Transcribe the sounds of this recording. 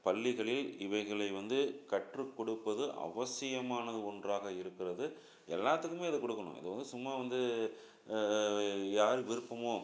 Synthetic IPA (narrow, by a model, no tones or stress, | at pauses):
pɐlːɪɣɐɭɪlɪʋɐɪɣɐɭɐɪʋɐnd̪ɯkɐʈrɯkːɔɽɯpːɐðɯʔɐ̰ʋɐsɪjɐmaːnɐðɯɔndraːɣɐɪɾɯkːɪrɐðɯ | ɛlːaːt̪ːɯkːɯmeːɐðɯkɔɽɯkːɐɳʊ̰̃ɪ̰ðɐʋɐnd̪ɯsʊmːaːʋɐnd̪ɯ | jaːɾɯʋɪɾɯpːɐmoː